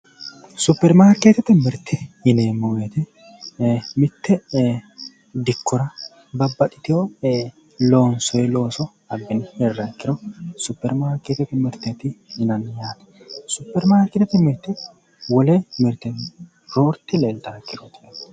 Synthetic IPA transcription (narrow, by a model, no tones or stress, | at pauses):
sʊpːɛɾmaːɾkːeːt̪ɛt̪ɪmɪɾt̪ʰːɛɪneːmːɔwɛt̪ɛ | mɪt̪ʰːɛ | d̪ɪkːɔɾɐ | bɐbːɐt̪ʼɪ̥t̪ɪjo | lo̞ːnsɔjɛlo̞ːsɔ | ɐbːɪnhɛrːɐkːɪɾɔsʊpːɛɾmaːɾkːeːt̪ːɛt̪ɪmɪɾt̪ɛt̪ɪɪnɐnjaːt̪ɐ̥sʊpːɛɾmaːɾkːɪt̪ɛt̪ɪmɪɾt̪ːɪ | wɔlɛmɪɾt̪ːɛ | ɾoːɾt̪ːɪlelt̪ʼakːɪɾɔt̪ɪ